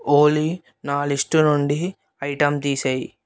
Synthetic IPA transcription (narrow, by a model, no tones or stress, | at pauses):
oːli | naːlisʈunuɳɖi | ɐjʈɐmt̪iːsɐji